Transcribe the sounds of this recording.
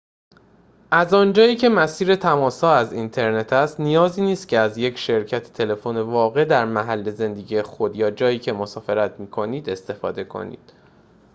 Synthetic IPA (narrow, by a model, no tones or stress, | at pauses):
ʔæzɒːnd͡ʒɒːiːcʰe̞mæsiːɾe̞t̪ʰæmɒːsɒːæzint̪ʰe̞ɾne̞t̪ʰæst̪nijɒːziːniːst̪̚cʰeæzjecʃe̞ɾcʰæt̪ʰe̥t̪ʰe̞le̞fone̞vɒːɣe̞d̪æɾmæɦælːe̞ze̞nd̪e̞ɟiːjexod̪jɒːd͡ʒɒːjiːcʰe̞mosɒːfe̞ɾæt̪ʰmiːkʰo̞niːd̪e̞st̪e̞fɒːd̪e̞kʰo̞̰nḭːd̪̥